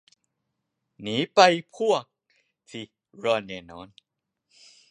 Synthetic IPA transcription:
niː˨˦pa˧jpʰu˥˩ək̚ | t̪ʰi˧˩ | ɾɔː˧nːeː˧nɔː˨˦˥n

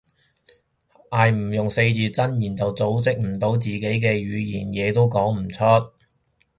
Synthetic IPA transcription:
ʔaː˨˧jm̩˨˩jʊ˨ŋse˧jt͡siː˨˧t͡sɐ˥njiː˨˩nt͡sɐ˨wt͡so˨˥wt͡sɪ˥k̚m̩˨˩t̪o˨˥wt͡siː˨ke˨˥jk̬ɛː˧ɥyː˨˧jiː˨˩njɛː˨˧t̪o˥wkɔː˨˥ŋm̩˨˩t͡sʰɵ˥t̚

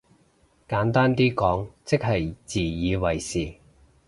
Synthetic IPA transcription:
kaː˨˥nt̪aː˥nt̪iː˥kɔː˨˥ŋt͡sɪ˥k̚hɐ˨jt͡siː˨˩jiː˨˧wɐ˨˩jsiː˨˩

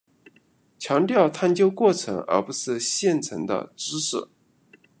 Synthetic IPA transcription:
t͡ɕʰjɑ˧˥ŋt̪jɑ˥˧ʊt̪ʰa˥˧nt͡ɕjo˥ʊkwɔ˥˩ʈ͡ʂʰɤ̰˧˥ŋə̰˞˧˥pu˧˥ʂɻ̩˥˧ɕjɛ˥˩nt͡sʰɤ̰˧˥ŋd̪ə̰˧ʈ͡ʂɻ̩˥ʂ̩˥˩

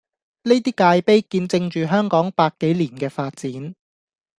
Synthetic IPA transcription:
ne˥jt̪̬iː˥kaː˧jpe˥jkiː˧nt͡sɪ˧ŋt͡ʃyː˨ɦœː˥ŋkɔː˨˥ŋpaː˧kːe˨˥jliː˨˩nkɛː˧faː˧t̚t͡siː˨˥n

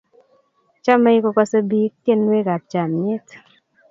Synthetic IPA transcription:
t͡ʃa˦me˦jkɔ˧ka˦so˦bi˦k̚t̪je˦nwe˦ka˨p̚t͡ʃa˨mɲɪ˦t

